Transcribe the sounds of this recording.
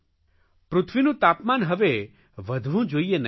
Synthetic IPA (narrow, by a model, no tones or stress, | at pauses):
pɾʊt̪ʰʋinũt̪apmanɦəʋe | ʋəd̪ʱʋũd͡ʒojenə